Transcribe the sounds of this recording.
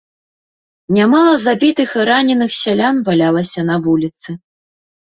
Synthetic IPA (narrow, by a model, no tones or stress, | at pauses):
nʲamalˠɐzabʲit̪ɨxɾanʲɛnɨxsʲalʲanvalʲalˠɐsʲɐnɐvulʲit̪sɨ